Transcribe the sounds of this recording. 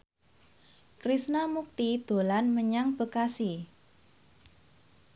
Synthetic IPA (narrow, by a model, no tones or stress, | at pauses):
kɾisnamuk̚t̪id̪̥o̤lanməɲaŋb̥ə̤kasi